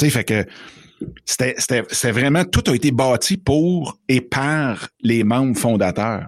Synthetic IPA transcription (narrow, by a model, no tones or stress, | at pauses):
sefɛkə | se̥t̪ɛse̥t̪ɛse̥t̪ɛvʁɛmãt̪ʊt̪ɐet̪ebɑːt͡ssipuːʁepʰaʁlemɑ̃ːmfɔ̃ːd̪at̪œː